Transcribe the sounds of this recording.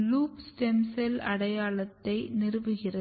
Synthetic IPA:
luːpsʈɛmsɐlɐɽɐjaːlɐt̪ːɐɪnɪrɯʋɯɣɪrɐ

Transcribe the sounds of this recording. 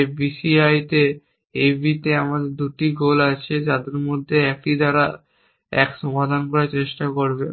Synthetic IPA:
bisiajt̪e | ebʱit̪eamad̪eɾd̪uʈiɡolat͡ɕʰed͡ʑad̪eɾmod̪ʱːeɛk̚ʈid̪aɾa | ɛ̰kʃɔmad̪ʱankɔɾat͡ɕeʃʈakoɾbe

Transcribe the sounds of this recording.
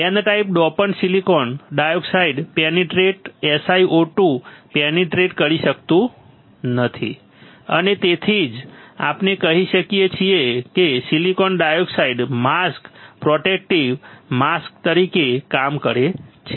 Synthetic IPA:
enʈaip̚ɖɔpənsilikɔnɖajoksaiɖpeneʈɾeʈesaiʔoʈũpeneʈɾeʈkəɾiʃək̚t̪ũ | nət̪ʰḭ | ə̰net̪et̪ʰid͡ʒa̰pnekəɦiʃəkijet͡ʃʰiekesilikɔnɖajoksaiɖmaskpɾɔʈek̚ʈiʋmask̚t̪əɾikekamkəɾet͡ʃʰe

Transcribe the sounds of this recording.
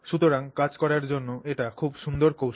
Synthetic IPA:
ʃut̪oɾaŋkad͡ʑkɔɾaɾd͡ʑonːoeʈakʰubʃund̪oɾkowʃ

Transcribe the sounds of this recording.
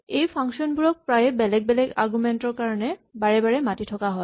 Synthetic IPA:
ejpʰaŋksiɔnbuɹɔk̚pɹajbɛlɛɡ̚bɛlɛɡa̰ɹɡumɛntɔɹkaɹɔnɛbaɹɛbaɹɛmatitʰɔkaɦɔj

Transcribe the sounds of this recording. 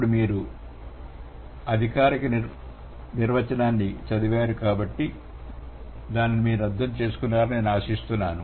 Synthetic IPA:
pːuɽumiːɾu | ɐd̪ʱikaːɾikɐ | niɾʋɐt͡ʃɐnaːnːit͡ʃɐd̪uʋaːɾukaːbɐʈːi | d̪aːnːimiːɾuɐd̪ːɐmt͡ʃe̞ːsu̥kunːaːɾɐnneːnaːʃist̪unːaːnu

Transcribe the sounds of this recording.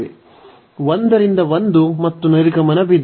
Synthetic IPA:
e | ʋond̪ɐɾind̪ɐʋond̪umɐt̪ːunɐɾiɡɐmɐnɐbid̪

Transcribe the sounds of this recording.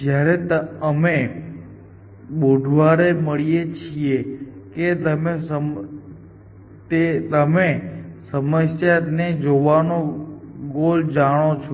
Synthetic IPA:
d͡ʒjaɾet̪əəme | ɓoɖʱʋaɾeməɭijet͡ʃʰijeket̪əmesəm | t̪et̪əmesəməsjaned͡ʒoʋanoɡold͡ʒaɽ̃ot͡ʃʰo

